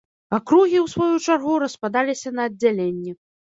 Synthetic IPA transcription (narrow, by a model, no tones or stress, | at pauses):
akɾuɣʲiwsvɔjut͡ʂarɣuɾɐspad̪alʲisʲɐnɐːdd͡zʲːalʲenʲːɛ